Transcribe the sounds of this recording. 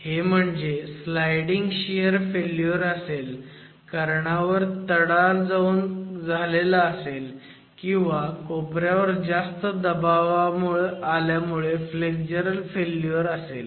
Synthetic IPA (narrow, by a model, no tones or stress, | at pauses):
hem̤əɳd͡zeslajɽiŋɡɕijəɾfelːjoɾəsel | kəɾɳaʋəɾt̪əɽald͡zauːnd͡zʱalelaːsel | kĩw̃ʋakopɾjaʋəɾd͡zast̪əd̪əbaʋamuɭealjamuɭefleɡd͡ʑəɾəlfeljəɾəsel